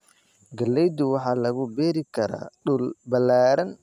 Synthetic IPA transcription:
ɡɐlːɛjd̪ʊwɑħɑːlɐɣʊbɛːɾɪkʰɐɾa̰ːɗʊlbɐlːaːɾɐn

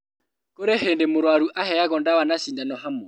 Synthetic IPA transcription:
kʼʊɾehendemʊɾwaɾuʔahɛak̬ɔndawanasindanɔɦamɔ

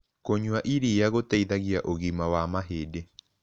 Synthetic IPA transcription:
koɲuaʔiɾijaɣotaiðaɣiaʔoɣimawamaɦeːde

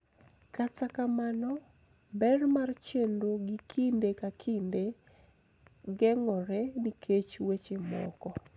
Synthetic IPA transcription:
katakamanɔ | bɛrmart͡ʃendoɡikʰindekakʰinde | ɡɛŋɔɾɛnikʰet͡ʃwet͡ʃemɔ̰kɔ

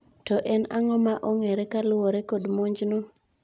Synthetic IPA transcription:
tɔʔɛnaŋɔmaʔoŋeɾekalʊwoɾekodmoɲd͡ʒno

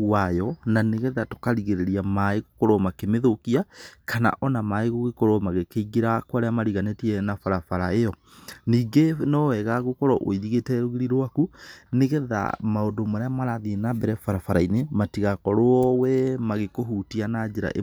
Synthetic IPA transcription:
wajɔnaneɣɛðato̥kaɾiɣeɾeɾiamaeɣokoɾɔmakemeðokiakʰana̰ʔɔnamaeɣoɣekoɾomaɣekeiɡeɾakwaɾeamaɾiɣanetiɛnafaɾafaɾaejɔ | niːɡenɔɛɣaɣokɔɾɔʔo̰iɾiɣetɛɾoɣeɾiɾowakuneɣɛða̰maondomaɾeamaɾaðienabɛɾɛfaɾafaɾainematiɣakɔɾoɔwɛmaɣekoɦutianad͡ʒeɾa̰ʔḛ

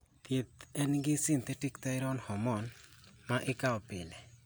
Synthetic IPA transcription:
t̪jet̪ɛnɡɪsɪnt̪ɛʈɪkt̪ajɾɔnhɔmɔnmaʔɪkaɔpɪlɛ

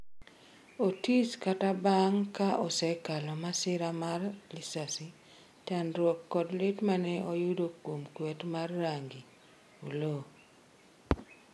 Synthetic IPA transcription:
otiskatabaŋkaʔɔsɛkalɔmasɪɾamarlisasi | tanɾwɔkːɔdlɪtmanɛʔɔjʊdokomkwɛtmarːaŋɡi | ulo

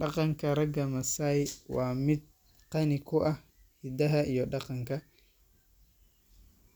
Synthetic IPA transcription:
ɗɑqɑŋkʰɐɾɐɡɐmɐsajwaːmɪd̪̚ | qɑnɪkʰʊʔɐh | hɪd̪ɐɦɐʔijɔɗɑqɑŋkɐ

